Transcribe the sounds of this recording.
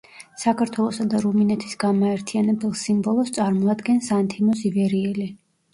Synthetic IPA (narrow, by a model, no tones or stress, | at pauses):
sakʰaɾt̪ʰwɛlˠɔsad̪aɾuminɛt̪ʰi̥sɡamaɛɾt̪ʰianɛbɛlˠsimbɔlˠɔst̪sʼaɾmɔad̪ɡɛnsant̪ʰimɔsivɛɾiɛli